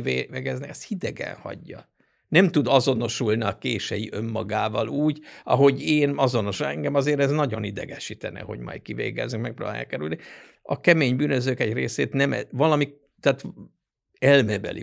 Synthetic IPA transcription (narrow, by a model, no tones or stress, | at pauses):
eɛɡɛznɛkɛst̪hid̪ɛɡɛ̰nhɒ̰ɟːɒ | nɛmt̪ud̪ɒzo̞no̞ʃulniɒkeːʃɛjiʔømːɒɡaːvɒluːɟɒ̰ɦo̞ɟeːnɒzo̞no̞ʃoɛŋɡɛmɒzeːɾɛznɒɟo̞nid̪ɛ̰ɡɛʃit̪ɛnɛ̰ho̞̰ɟmɒ̰jt̪̚kivḛːɡɛ̰znykmɛk̚pro̰ːba̰ːjɑ̰kɛɾylni | ɒkɛmeːɲbyːnøzøːkɛɟreːseːt̪nɛmɛvɒlɒmi | t̪aːt̪ | ɛlmɛbɛ̰lʔḭ